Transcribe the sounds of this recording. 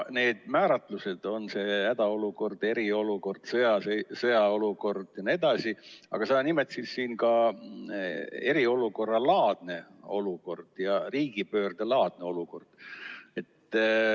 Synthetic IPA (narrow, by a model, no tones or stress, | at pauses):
ne̞ːd̪̥̚mæːɾɑt̪ˑluse̞d̪̥o̞nse̞ːhæd̪̥ɑo̞luko̞rd̪̥e̞ɾio̞luko̞rd̪̥sɤjɑsesɤjɑo̞luko̞rd̪̥jɑnie̞d̪ɑsiɑ̰ɡ̥ɑsɑːnimet̪sissiːnkɑ | e̞ɾio̞luko̞rːɑlɑːd̪̥ne̞o̞luko̞rd̪̥jɑriːɡ̥ipøːrd̪̥elɑːd̪̥ne̞o̞luko̞rd̪̥e̞t̪ː